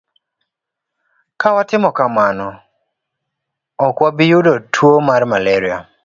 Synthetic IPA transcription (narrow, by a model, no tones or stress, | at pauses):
kawatɪmɔkamanɔ | ɔkwabijʊdotʰwomarmalɛɾia̰